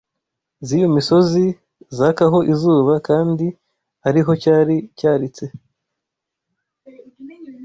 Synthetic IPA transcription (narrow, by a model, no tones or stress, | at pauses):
zijomiso̞zi | zakaɦo̞ʔizuːβakaːndi | aɾiɦo̞caːɾicaːɾit͡se̞